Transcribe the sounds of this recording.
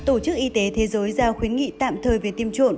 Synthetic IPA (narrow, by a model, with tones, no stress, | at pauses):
t̪o˧˩t͡ɕɨ˦˥k̚ʔi˧t̪e˨˦t̪ʰe˨˦zəː˨˦jzaː˧˩wxwi˨˦ənŋḭ˧˨t̪a̰ː˧˨mt̪ʰəː˨˩jve˨˩t̪i˧əmt͡ɕo̰˧˨n